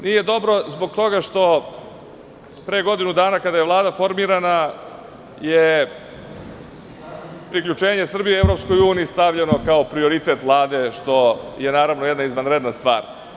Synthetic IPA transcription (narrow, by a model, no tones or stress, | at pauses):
nije̞d̪o̞bɾo̞zboɡ̚t̪o̞ɡaʃt̪o̞ | pɾeɡo̞d̪inud̪aːnakad̪aje̞ʋlˠaːd̪afo̞ɾmiɾana | je | pɾikʎut͡ʃe̞ːɲesr̩bijievɾo̞psko̞juːniːst̪aʋʎeno̞kao̞pɾio̞ɾit̪e̞t̪ʋlˠaːd̪e̞ʃt̪o̞jenaːɾaʋnojed̪naizʋanɾed̪nast̪ʋa̰ːɾ